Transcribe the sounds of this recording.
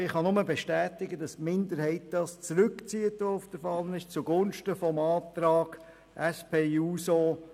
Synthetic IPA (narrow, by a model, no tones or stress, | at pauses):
ɪχhɑnʊməbeʃtæːtɪɡədɑsmɪndəɾhɛɪt̚d̥ɑst͡sɾʏkt͡siːətʋoʊfd̥əɾfɑlənɪʃt͡suɡʊnʃtəfɔmɑːt̪ɾɑːɡ̥ | ʔɛspʰeːuːso